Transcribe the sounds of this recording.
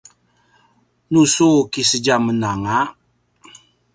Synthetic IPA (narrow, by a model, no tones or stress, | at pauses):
nusokisəd͡ʒamənaŋaʔ